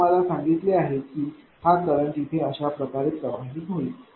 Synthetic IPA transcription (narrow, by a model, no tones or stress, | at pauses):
əlasaŋɡit̪leaɦet̪̚kiː | h̪ʰat̪kəɾəɳt̪it̪ʰeəɕapɾəkaɾit̪̚kəʋaɦɦiːbʱoliː